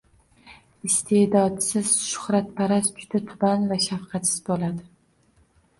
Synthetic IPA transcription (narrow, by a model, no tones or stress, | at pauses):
ɪst̪ʰe̞d̪ɒt̪sɪz̥ʃʊ̥χɾat̪̚pʰaɾast͡ʃʰʊ̥t̪at̪ʰʊbanvaʃafqʰɑt̪sɪzbolad̪ɪ